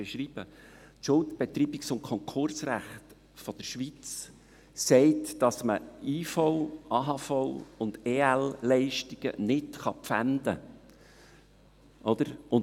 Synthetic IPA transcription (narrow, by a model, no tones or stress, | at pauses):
eʃɾiːb̥ə | tʃʊltb̥et̪riːbɪksʊnkʰɔŋkʰʊrsræχt | fɔd̥̪əɾʃʋit͡s | sɛɪtd̥ɑsməiːfɔʊʔɑːɦɑfoʊʊnd̥̪eːællɛɪʃtiɡ̥ə̰nɪtχɑpfæ̰nd̪ə̰ | ʔɔd̥̪əɾʊn